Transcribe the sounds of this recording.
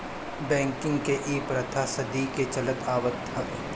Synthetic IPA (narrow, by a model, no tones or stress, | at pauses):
bɛ̃ːŋkɪ̃ŋɡkeʔiːpɾɐt̪ʰasɐd̪iket͡ʃɐlək̪aːʋət̪ːɐ